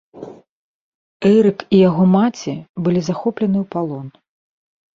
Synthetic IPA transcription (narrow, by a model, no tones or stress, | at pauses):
ɛɾɨkijaɣɔmat͡sʲibɨlʲizaxɔplʲɐnɨwpalˠɔn